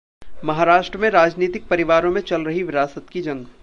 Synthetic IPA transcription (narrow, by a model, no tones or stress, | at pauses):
mɐɦaːɾaːʃʈɾəmẽɾaːd͡ʒniːt̪ɪk̚pɐɾɪʋaːɾõmẽt͡ʃɐlɾɐɦiʋɪɾaːsət̪kid͡ʒɐ̃ŋɡ